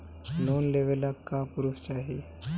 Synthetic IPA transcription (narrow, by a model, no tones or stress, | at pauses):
noːnleʋelakːapuɾust͡ʃaːɦi